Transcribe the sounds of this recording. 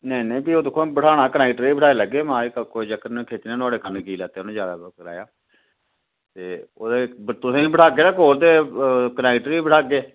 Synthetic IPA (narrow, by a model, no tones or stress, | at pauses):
nəĩːnə̃ĩːbiːoːd̪ɪkʰːõːbəʈʰaːɽ̃aːkənaːkʈəɾiːbəʈʰaːeːləɡːeːmãːkəkoːid͡ʒəkənkʰeːt͡ʃ̪ːnãːt̪ʊaːɽeːkənkiːlaːt̪eːnẽːd͡ʒaːd̪a̰ːkəla̰ːjaː | t̪eːoːd̪eːt̪ʊsẽːibəʈʰaːɡeːnaːkoːɾd̪eːkənɛːkʈəɾiːbəʈʰaːɡeː